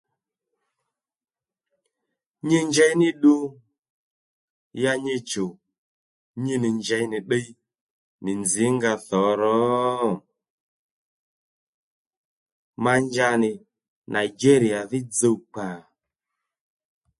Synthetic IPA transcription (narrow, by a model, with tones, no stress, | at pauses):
ɲe˦ɲd͡ʒɛ˧jnɪ˦ɗu˧ | ja˧ɲe˧t͡ʃo˨ | ɲi˦nɪ˨ɲd͡ʒɛ˧jnɪ˨ɗə˦i˦ | nɪ˨nd͡zi˨˦ŋɡa˧θɔ˨˦ɾɔ˨˦ | ma˧ɲd͡ʒa˧nɪ˨ | nʔa˨i˨d͡ʒe˦ɾi˨a˨ðɪ˦d͡zo˧wk͡pa˨